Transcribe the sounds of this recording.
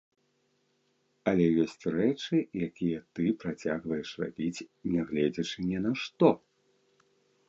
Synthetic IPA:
ɐlʲɛjɔsʲt͡sʲrɛt͡ʂɨjakʲijɛt̪ɨpɾat͡sʲaɣvɐjɛʂra̰bʲit͡sʲnʲɛɣlʲɛd͡zʲɐt͡ʂɨnʲɛnɐʂt̪ɔ

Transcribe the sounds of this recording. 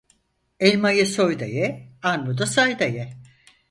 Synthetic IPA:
ɛlʲmajɯsojd̪a̰jɛanɾud̪asajd̪ajɛ

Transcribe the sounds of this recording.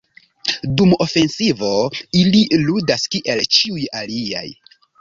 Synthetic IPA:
dumo̞fe̞nsivo̞ililudaskiʔe̞lt͡ʃiujalia̰j

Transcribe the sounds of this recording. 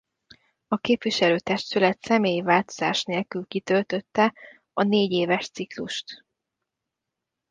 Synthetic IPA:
ɒkeːpʋiʃɛløːt̪ɛʃt̪ylɛt̪sɛmeːjivaːlt̪o̞z̥a̰ːʃneːlkylkit̪ø̞lt̪ø̞t̪ːɛ | ɒneːɟeːvɛʃt̪sikluʃt̪

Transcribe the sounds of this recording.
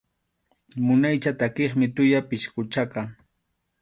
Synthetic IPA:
mʊnajt͡ʃat̪akeχmɪt̪ʊjapɪʃkʊt͡ʃaka

